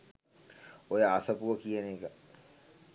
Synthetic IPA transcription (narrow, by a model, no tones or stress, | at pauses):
ojəasəpuʋəkijəneːkə